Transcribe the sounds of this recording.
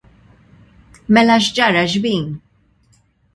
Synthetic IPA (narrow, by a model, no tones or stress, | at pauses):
mɛlɐʃd͡ʒɐɾɐd͡ʒbiːn